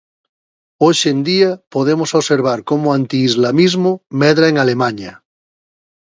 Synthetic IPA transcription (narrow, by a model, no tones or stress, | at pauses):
oʃend̪iapoðemosoβseɾβ̞aɾkomoant̪iːzlamizmomɛðɾaeŋalemaɲa